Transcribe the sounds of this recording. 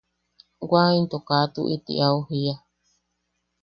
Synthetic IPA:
waint̪okat̪uʔit̪ḭʔauhia

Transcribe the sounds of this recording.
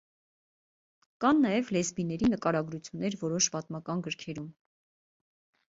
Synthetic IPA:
kɑnːɑjɛvlɛzbinɛɾinəkɑɾɑɡɾut͡sʰjunːɛɾvɔɾɔʃpɑt̪mɑkɑnɡəɾkʰɛɾum

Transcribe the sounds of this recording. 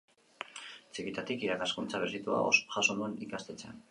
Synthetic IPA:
t͡sikit̪at̪ikiɾakaskunt͡saβerit̪ua̰o̰sʝasonuenikast̪e̞t͡sea̰n

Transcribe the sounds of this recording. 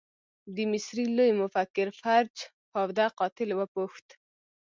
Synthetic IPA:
d̪əmɪsɾilojmʊfakːɪɾfaɾd͡ʒ | fawd̪aqɑt̪ɪlwəpuxt̪

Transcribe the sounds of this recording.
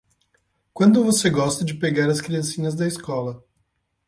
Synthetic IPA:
kwɐ̃nd̪ʊvoseɡɔst̪ɐd͡ʒɪpeɡaɾɐskɾiɐ̃sĩɲɐzd̪ɐiskɔlɐ

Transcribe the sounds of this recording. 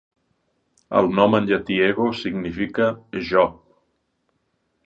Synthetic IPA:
ə̰lˠnɔmənʒat̪ieɣosiɡnifikəʒɔ

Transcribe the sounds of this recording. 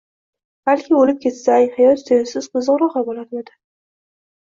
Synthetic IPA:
b̥alkʲʰɪolɪp̚kʰʲe̞t̪sajhajɒt̪seɪsɪzqʊzɨʁɾɒʁɑbolaɾad̪ɪ

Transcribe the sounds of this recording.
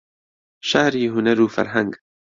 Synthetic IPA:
ʃahɾiɦʊnaɾuːfa̰ɾɦaŋɡ

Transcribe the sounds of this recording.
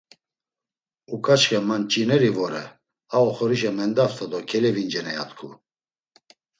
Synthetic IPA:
ukʰʼat͡ʃχɛmant͡ʃʼinɛɾivɔɾɛ̰ | aɔχɔɾiʃɛmɛnd̪aft̪ʰad̪ɔkʰɛlɛvind͡ʒɛnɛja̰t̪kʰu

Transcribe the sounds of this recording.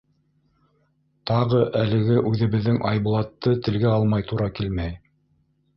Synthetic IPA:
t̪ɑʁɤʔælɘ̆ɡɘʔʉðɘ̆βɘ̆ðːɘŋʔɑjbulˠɑt̪ːɤt̪ɘ̆lɡæɑlˠmɑjt̪uɾɑkilmæj

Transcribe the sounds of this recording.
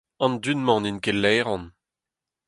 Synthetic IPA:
ɑ̃ndynmɑ̃ninkɛlːɛːʁɔ̃n

